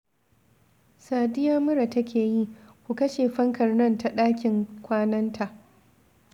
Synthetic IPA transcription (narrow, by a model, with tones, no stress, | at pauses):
saː˨dɪ˦jaː˦mʊ˦ɾa˨tɐ˦kʲʰeː˨ji˦ʔkʷu˨kɐ˦ʃeː˨ɸɐ˦ŋkɐ˨rnɐ˦˨nta˨ɗaː˦kʲɪ˨ŋkʷaː˦nɐ˦ntʰa˨ʔ